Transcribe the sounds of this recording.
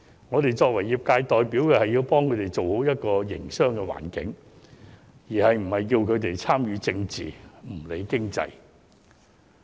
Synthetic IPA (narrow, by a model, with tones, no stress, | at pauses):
ŋɔː˨˧t̪e˨jt͡sɔː˧k̚wɐ˨˩jːiː˨˩p̚kaː˧jt̪ɔː˨jpiː˨˥wkɛː˧hɐ˨jːiː˧wpɔː˥ŋkʰɵ˨˧ɥt̪e˨jt͡so˨who˨˥wjɐ˥t̚kɔː˧jɪ̰˨˩ŋsœː˥ŋkɛː˧wa̰ː˨˩nkɪ̰˨˥ŋ | jiː˨˩hɐ˨jm̩˨˩hɐ˨jkiː˧wkʰɵ˨˧ɥt̪e˨jt͡sʰaː˥mjyː˨˧t͡sɪ˧ŋt͡sḭː˨m̩˨˩le˨˧jkɪ˥ŋt͡sɐ̰˧j